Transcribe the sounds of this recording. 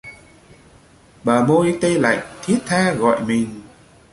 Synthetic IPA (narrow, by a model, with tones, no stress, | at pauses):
ɓaː˨˩mo˧jt̪e˧la̰˧˨jŋ̟t̪ʰi˦˥ət̚t̪ʰaː˧ɣɔ̰˧˨jmï˨˩ŋ̟